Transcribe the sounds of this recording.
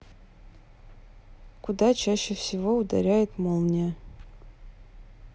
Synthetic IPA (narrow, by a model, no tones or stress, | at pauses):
kʰudat͡ʃʰaɕːefsʲivoud̪ɐ̰ɾʲajɪt̪molˠnʲa